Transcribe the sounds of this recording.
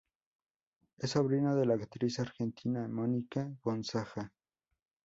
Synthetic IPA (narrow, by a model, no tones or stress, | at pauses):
esoβɾinaðe̞laːkt̪ɾisaɾxent̪ʰinaemonikaɡonsaxa